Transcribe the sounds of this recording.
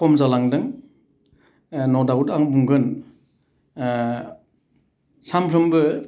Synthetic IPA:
kɔmzalaŋdɯŋ | nɔdawutaŋbuŋɡɯn | sampʰɾɯmbɯ

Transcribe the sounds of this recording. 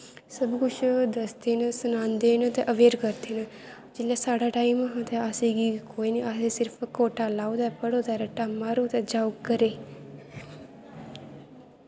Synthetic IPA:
səbkʊt͡ʃʰd̪əst̪eːnəsʊnãːnd̪eːnət̪eːʔəʋeːɾkəɾt̪eːnə | d͡ʒɪlːɛːsaːɽaːʈaːimaɦãːt̪eəsẽːɡiːkoːiːniasẽːsɪɾpʰkoːʈaːlaːod̪aːpəɽoːd̪aːɾɛʈaːmːaːɾoːt̪eːd͡ʒaːukəɾeː

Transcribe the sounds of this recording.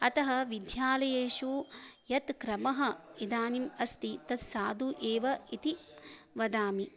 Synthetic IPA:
ɐt̪ɐɦɐʋid̪ʱjaːlɐjeːʃujɐt̪kɾɐmɐɦɐ̆id̪aːnimɐst̪it̪ɐt̪saːd̪uʔeːʋɐit̪iʋɐd̪aːmi

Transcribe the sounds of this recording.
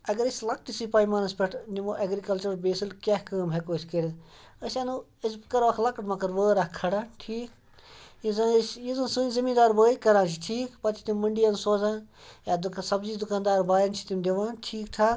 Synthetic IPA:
ɐɡɐɾisʲlɐk̚ʈisipaːimaːnɐspʲeʈʰnimoʔɐɡɾikɐlt͡ʃɐɾbeːsilkʲahkəːmɦekoːisʲkeɽ | əsʲanu | iskɐɾʋakʰlɐkɐʈmɐ̃kɐɾʋəːɾakʰɐɽãːʈʰiːk | izãsjizɐnsunzimiːd̪aːɾbəːikɐɾãːnt͡ʃʰiʈʰiːkpɐt̪ʰi̥t̪immɐɳɖijansoːzãːjaːd̪uksɐbziːd̪ukaːnd̪aːɾbaːjɐnt͡ʃʰi̥t̪imd̪eʋãːʈʰiːkt̪ʰaː

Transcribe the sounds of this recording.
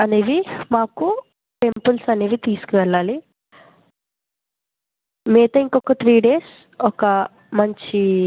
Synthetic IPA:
ɐneːʋimaːku | ʈe̞mpulsɐneːʋit̪iːsu̥kuʋɛɭːaːli | meːt̪ɐiŋkɔkɐt̪ʰɾiːɖeːs | ɔkɐ | mɐɲt͡ʃi

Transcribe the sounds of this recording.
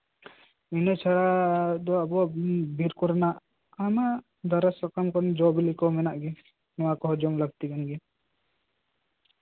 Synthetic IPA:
inɔt͡ʃʰaɽad̪ɔabɔabʱiɾkɔɾnaʔ | ama | d̪aɾasɔkamkɔnd͡ʒɔbilikɔmɛnaʔɡi | nɔakɔɦɔd͡ʒɔmləɡt̪iɡanɡi

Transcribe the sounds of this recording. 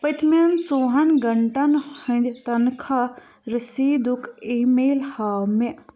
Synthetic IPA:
pɐt̪ment͡soːɦɐnɡɐɳʈɐnhɐ̃nd̪ʲt̪ɐnkʰa | ɾisiːd̪ukʰiːmeːlhaːme

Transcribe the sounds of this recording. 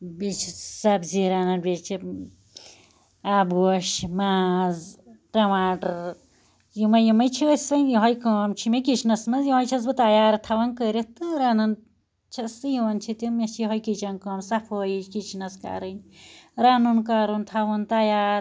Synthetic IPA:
bit͡ʃʰisɐbziɾanɐnbʲit͡ʃʰi | abɡoʃmaːzʈɐmaːʈɾ | jimɐjimɐjt͡ʃʰiəsɐnjiɦɔjkoːmt͡ʃʰimekit͡ʃʰnɐsmɐzjĩɦɔjt͡ʃʰɐs̬bɨt̪ajaːɾt̪ʰɐʋɐnkəɾʲit̪ɨɾanɐn | t͡ʃʰɐsɨjunt͡ʃʰit̪imet͡ʃʰjiɦojkit͡ʃɐnkoːmsɐpʰoːjikit͡ʃʰnɐska̰ɾɨnɾanunkaɾunt̪ʰɐʋɐnt̪ajaːɾ

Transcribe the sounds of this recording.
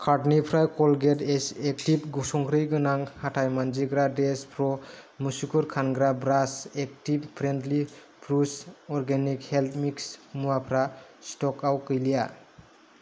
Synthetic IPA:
kʰaɾtnipʰɾajkɔlɡetesek̚tipɡɔsɔŋkʰɾɯjɡɯnaŋhatʰajmand͡ʒiɡɾadespʰɾɔmusukʰuɾkʰanɡɾabɾasek̚tippʰɾendli | pʰɾusɔɾɡenikhelt̪ʰmiksmuapʰɾastɔkawkɯjlija

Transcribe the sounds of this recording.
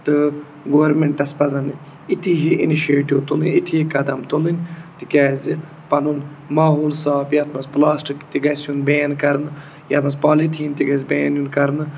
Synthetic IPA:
t̪ɨ | ɡoʋɐɾmeɳʈɐspɐzɐn | it̪ʰiɦiʔiniʃeːʈiwt̪ulinʲit̪ʰiɦikɐd̪ɐmt̪olint̪ikʲaːzi | pɐnun | maːɦoːlsaːbjɐt̪ʰmɐsplaːsʈikt̪iɡɐsunbeːnkɐɾnɨ | jɐt̪mɐspaːlit̪ʰiːnt̪iɡɐzʲbeːnunkɐɾnɨ

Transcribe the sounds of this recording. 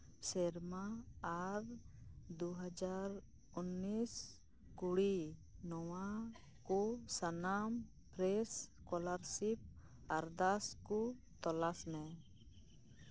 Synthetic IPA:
sɛɾmaː | ɾd̪uɦad͡ʒaɾ | unːis | kuɽinɔwa | kɔsanam | pɾɛskɔlaɾsip̚ | aɾd̪asku | t̪ɔlasmɛ

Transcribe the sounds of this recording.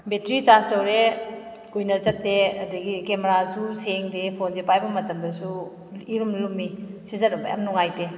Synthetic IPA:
betɾit͡ʃastɐwɾe | kujnɐzɐtːeɐdɐɡikemeɾasuseŋdepʰonzepajbɐmɐtɐmdɐsu | iɾumnlumːisizɐtɐbɐ̰ja̰mnuŋajte

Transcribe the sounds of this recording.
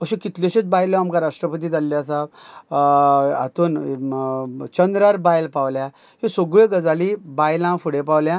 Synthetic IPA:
əɕẽkit̪leɕet͡sbajlɔamkaɾaʂʈɾəpət̪̬iːt̪alːjasab | a̰t̪uːn | t͡ɕənd̪ɾaɾbajlpaʋlja | ɦisoɡɭẽɡəd͡zalibajlãfuɽẽpaʋljã

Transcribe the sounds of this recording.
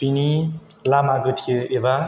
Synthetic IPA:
pinilamaɡɯtʰijoeba

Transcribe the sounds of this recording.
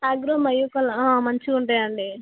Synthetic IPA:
aːɡɾomɐjukɐlɐamɐɲt͡ʃiuɳʈɐjɐɳɖi

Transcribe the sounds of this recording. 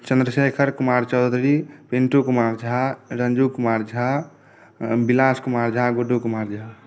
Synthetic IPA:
t͡ʃə̃nd̪ɾəseːkʰəɾkumaːɾt͡ʃɔd̪ɾipeɳʈokumaːɾd͡ʒʱaɾənd͡ʒukumaːɾd͡ʒʱa | bilaːskumaːɾd͡ʒʱaɡoɖokumaːɾd͡ʒʱa

